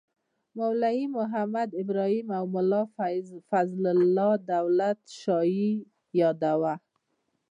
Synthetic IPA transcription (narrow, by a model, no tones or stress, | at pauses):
mawlaimʊɦamad̪ɪbɾɔhimawmʊlɑfazlɪlːɔd̪awlat̪ʃɑji | jɑd̪awa